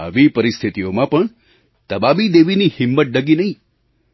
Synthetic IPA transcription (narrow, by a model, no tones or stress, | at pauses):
a̰ʋipəɾist̪ʰit̪iomãpəɳ | t̪əbabid̪eʋinihɪmːət̪̚ɖəɡinəɦĩ